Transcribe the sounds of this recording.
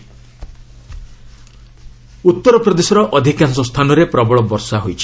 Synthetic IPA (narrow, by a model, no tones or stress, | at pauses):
ut̪ːɔɾɔpɾɔd̪esɔɾɔʔɔd̪ʱikansɔst̪ʰanɔɾepɾɔbɔɭɔbɔɾsaɦojt͡ʃʰi̥